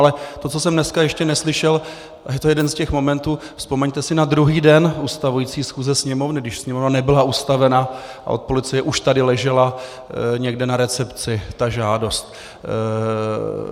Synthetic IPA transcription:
alɛt̪o̞t͡so̞sɛmnɛskajɛʃcɛnɛslɪʃɛl | jɛt̪ojɛdɛnscɛxmo̞mɛnt̪uː | fspo̞mɛɲt̪ɛsɪnad̪ɾuɦiːdɛnust̪avujiːt͡siːsxuːzɛsɲɛmo̞vnɪɡdɪʃsɲɛmo̞vnanɛbɪlaʔust̪avɛna | a̰ʔo̞t̪̚po̞lɪt͡sɪjɛʔuʃt̪adɪlɛʒɛla | ɲɛɡdɛnaɾɛt͡sɛpt͡sɪt̪aʒaːdo̞st̪̚

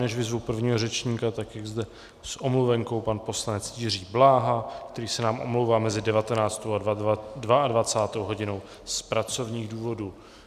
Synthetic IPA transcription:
nɛʃvɪzvupr̩vɲiːɦo̞rɛt͡ʃɲikat̪akjaɡzdɛ | sʔo̞mluvɛŋko̞wpanpo̞slanɛt͡sjir̝iːblaːɦakt̪ɛɾiːsɛnaːmʔo̞̰mlowvaːmɛzɪdɛvat̪ɛnaːt͡st̪owadvaadvat͡saːt̪o̞wɦo̞ɟɪno̞w | spɾat͡so̞vɲiːɣduːvo̞duː

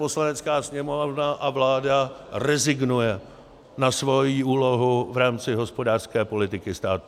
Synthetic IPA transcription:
po̞slanɛt͡skaːsɲɛmovnaʔavlaːdarɛzɪɡnujɛ | nasvo̞jiːuːlo̞ɦuvɾaːmt͡sɪɦo̞spo̞daːr̥skɛːpo̞lɪt̪ɪkɪst̪aːt̪u

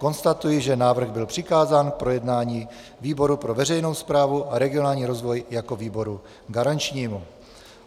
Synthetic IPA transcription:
ko̞nst̪at̪ujɪʒɛnaːvr̩ɣbɪlpr̝̥ɪkaːzaːnk̚pɾo̞jɛdnaːɲiː | viːbo̞ɾupɾo̞vɛrɛjno̞wspɾaːvuʔaɾɛɡɪo̞naːlɲiːɾo̞zvo̞jjako̞viːbo̞ɾu | ɡaɾant͡ʃɲiːmu

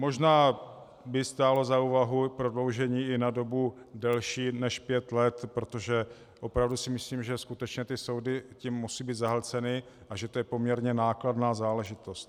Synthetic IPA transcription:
mo̞ʒnaː | bɪst̪aːlo̞zauːvaɦupɾo̞dlo̞wʒɛɲiːɪnado̞budɛlʃiːnɛʃpjɛt̪lɛt̪pɾo̞t̪o̞ʒɛ | ʔo̞pɾavdusɪmɪsliːmʒɛskut̪ɛt͡ʃɲɛt̪ɪso̞wdɪcimːusiːbiːt̪zaɦɛlt͡sɛnɪ | ʔaʒɛt̪ojɛpo̞mɲɛɾɲɛnaːkladnaːzaːlɛʒɪt̪ost̪

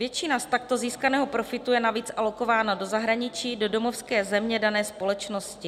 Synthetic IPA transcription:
vjɛt͡ʃɪnast̪akt̪o̞ziːskanɛːɦopɾo̞fɪt̪ujɛnaviːt͡sʔalo̞kovaːnado̞zaɦɾaɲɪt͡ʃiːdo̞do̞mofskɛːzɛmɲɛdanɛːspo̞lɛt͡ʃnoscɪ

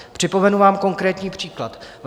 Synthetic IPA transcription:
pr̝̥ɪpo̞mɛnuvaːmko̞ŋkɾɛːt̪ɲiːpr̝̥iːklat̪v

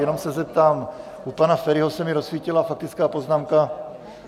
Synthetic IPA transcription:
jɛno̞msɛzɛp̚t̪aːm | ʔupanafɛɾɪɦosɛmɪɾo̞sviːcɪlafak̚t̪ɪt͡skaːpo̞znaːmka

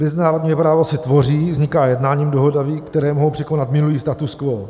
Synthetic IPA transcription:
mɛzɪnaːɾodɲipɾaːvo̞sɪt̪vo̞riːvzɲɪkaːjɛdnaːɲiːmdoɦodaviːkt̪ɛɾɛːmoɦo̞wpr̥ɪkonat̪mɪnuliːst̪at̪uskvo

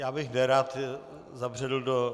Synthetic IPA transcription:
jaːbɪxnɛɾaːt̪ | zabr̝ɛdl̩do

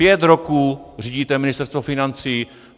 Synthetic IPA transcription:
jɛt̪ɾokuːriːɟiːt̪ɛmɪnɪst̪ɛɾst̪vofɪnant͡siː

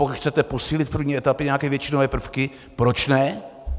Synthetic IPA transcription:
okxt͡sɛt̪ɛposiːlɪt̪̚pr̩vɲiːʔɛt̪apɪɲɛakɛːvjɛt͡ʃɪnovɛːpr̩fkɪ | pɾot͡ʃnɛ

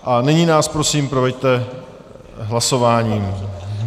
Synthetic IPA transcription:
ʔanɛɲiːnaːspɾo̞siːmpɾovɛct̪ɛ | ɦlaso̞vaːɲiːm

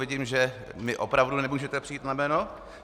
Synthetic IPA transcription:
vɪɟiːmʒɛmɪʔo̞pɾavdunɛmuːʒɛt̪ɛpr̥ɪjiːt̪namɛːno̞

